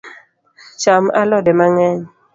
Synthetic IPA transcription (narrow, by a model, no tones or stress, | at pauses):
t͡ʃamalɔdɛmaŋɛɲ